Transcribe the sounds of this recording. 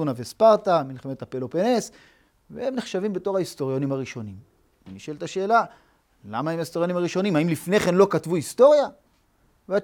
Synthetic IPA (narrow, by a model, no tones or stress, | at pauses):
unavespaʁt̪amilχemet̪apelopenes | vḛemneχʃavimbe̞to̞ʁhaist̪o̞ʁjo̞nimaʁiʃo̞nim | iniʃelt̪aʃe̞ːla | la̰maimaist̪oʁjo̞nimaʁiʃo̞nimaimlifne̞χe̞nlo̞katvuist̪o̞ʁja | vea